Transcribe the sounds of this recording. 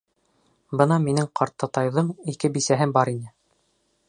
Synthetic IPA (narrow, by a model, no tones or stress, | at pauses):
bɤnɑminɘŋqʰɑɾt̪ːɑt̪ɑjðɤɴikɘbisæɦɘbɑɾinɘ